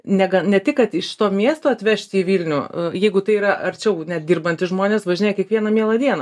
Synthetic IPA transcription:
nʲɛɡɐnʲɛtʲɪkːɐt̪ɪʃʲɪ̥t̪oːmʲiɛst̪oːɐt̪ʲʋʲɛʃʲt̪ʲiːʋʲiːlʲnʲʊjɛɪɡʊt̪ɐɪiːɾɐʔɐɾʲt͡ʃʲɛʊnʲɛt̪̚d̪ʲiːrbɐnʲt̪ʲɪʒmoːnʲeːsʋɐʒʲɪnʲeːkʲiɛkʋʲiɛnɐmʲiɛlˠɐd̪ʲiɛnɐ

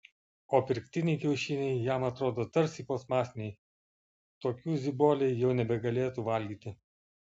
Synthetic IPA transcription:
oːpʲɪɾʲkʲt̪ʲɪnʲɛɪkʲɛʊʃʲɪnʲɛɪjæmɐt̪ɾoːd̪oːt̪ɐɾʲsʲipoːsmɑːsʲnʲɛj | t̪oːkʲuːzʲɪboːlʲɛɪjɛʊnʲɛbʲɛɡɐlʲeːt̪uːʋɐlʲɡʲiːt̪ʲɪ

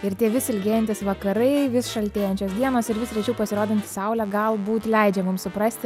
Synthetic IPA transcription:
ɪɾt̪ʲiɛʋʲɪsʲɪlʲɡʲeːjɛnʲt̪ʲɪsʋɐkɐɾɐɪʋʲɪsʃɐlʲt̪ʲeːjɛnʲt͡ʃʲoːsd̪ʲiɛnoːsɪɾʋʲɪsɾʲɛt͡ʃʲɛʊpɐsʲɪɾoːd̪ʲɪnʲt̪ʲɪsɐʊlʲæɡɐlˠbuːt̪lʲɛɪd͡ʒʲɛmʊmsʊpɾɐsʲt̪ʲɪ

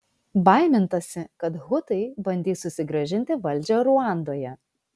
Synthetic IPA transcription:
bɑˑɪmʲɪnt̪ɐsʲɪkɐt̪ɦʊt̪ɐɪbɐnʲd̪ʲiːssʊsʲɪɡɾɐʒʲɪnʲt̪ʲɪʋɐlʲd͡ʒʲoɾʊɑˑnd̪oːjɛ

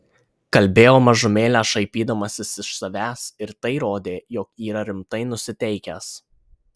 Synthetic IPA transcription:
kɐlʲbʲeːjoːmɐʒʊmʲeːlʲæːʃɐɪpʲiːd̪ɐmɐsʲɪsɪʃsɐʋʲæːsɪɾt̪ɐɪɾoːd̪ʲeːjɔːkiːɾɐɾʲɪmt̪ɐɪnʊsʲɪt̪ʲɛɪkʲæs

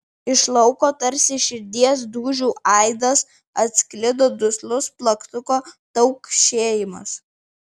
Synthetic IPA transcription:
ɪʃlˠɐʊkoːt̪ɐɾʲsʲɪʃʲɪɾʲd̪ʲiɛs̬d̪uːʒʲuːʔʔɐɪd̪ɐs | ɐt̪ʲsʲkʲlʲɪd̪oːd̪ʊslˠʊsplˠɐkt̪ʊkoːt̪ɐʊkʃʲeːjɪmɐ̰s

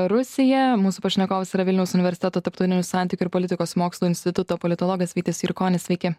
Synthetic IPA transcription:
ɾʊssʲɪjɛmuːsupɐʃʲnʲɛkoːʋɐsɪɾɐʋʲɪlʲnʲɛʊsʊnʲɪʋʲɛɾsʲɪt̪ʲɛt̪oːt̪ɐɾpt̪ɐʊɪnʲuːsɑˑnʲt̪ʲɪkʲʊɪɾpolʲɪt̪ʲɪkoːsmoːkslˠuːɪnʲsʲt̪ʲɪt̪ʊt̪oːpɔlʲɪt̪olˠɔːɡɐsʲʋʲiːt̪ʲɪsɪɾkoːnʲɪsʲʋʲɛɪkʲɪ

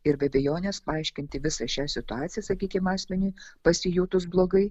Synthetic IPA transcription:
ɪɾbʲɛbʲɛjoːnʲɛspɐɐɪʃʲkʲɪnʲt̪ʲɪʋʲɪsɐʃʲæːsʲɪt̪ʊɑːt̪sʲɪjɛsɐkʲiːkʲɪmɑːsʲmʲɛnʲuɪpɐsʲɪjuːt̪ʊs̬blˠoːɡɐɪ

